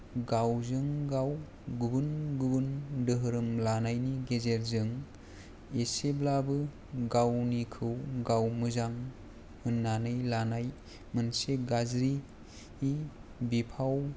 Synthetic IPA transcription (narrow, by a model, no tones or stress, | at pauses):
ɡawzɯŋɡaw | ɡubɯnɡubɯndɯɦɯɾɯmlanajniɡezeɾzɯŋ | eseblabɯ | ɡawnikʰɯwɡawmɯzaŋ | hɯnːanɯjlanaj | mɯnseɡazɾi | ibipʰaw